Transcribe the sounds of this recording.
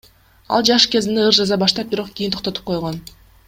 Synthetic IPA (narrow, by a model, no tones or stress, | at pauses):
ɑ̰lˠd͡ʒɑʃke̞ziniɯɾd͡ʒɑzɑbɑʃt̪ɑp̚biɾo̞q̚ɡ̥ʲijint̪ʰoqt̪o̞t̪u̥p̚qʰo̞jʁo̞n